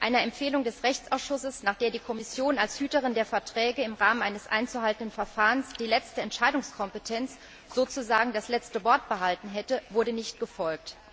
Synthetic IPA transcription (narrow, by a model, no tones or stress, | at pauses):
ʔaɪnəɛmfeːlʊŋdɛsʁɛçt͡sʔaʊsʃʊsəsnaːχd̥eːɐdiːkʰɔmɪsjoːnalshyːtəʁ̞ɪndeːɐfɛɐtʁ̥ɛːɡəɪmʁaːmənʔaɪnəsʔa̰ɪnt͡suɦaltn̩dənfɛɐfaːʁənsd̥iːlɛt͡stəɛntʃaɪdʊŋskʰɔmpətʰɛnt͡s | z̥oːt͡suzaːɡŋ̩daslɛt͡stəvɔɐt̚b̥əɦaltn̩ɦɛtəvʊɐɾənɪçt̚ɡ̥əfɔlk̚t